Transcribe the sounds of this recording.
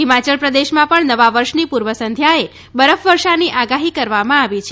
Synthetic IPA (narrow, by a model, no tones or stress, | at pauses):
ɦimat͡ʃəɭpɾəd̪eʃmãpəɳnəʋaʋəɾʃnipuɾʋəsənd̪ʱjae | bəɾəfʋəɾʃaniʔaɡaɦikəɾʋamãaʋit͡ʃʰe